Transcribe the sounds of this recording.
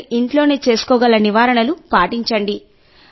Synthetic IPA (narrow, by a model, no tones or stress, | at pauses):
iɳʈlo̞ːne̞ːt͡ʃe̞ːsu̥kɔːɡɐlːɐniʋaːɾɐɳɐlupaːʈiɲt͡ʃɐɳɖi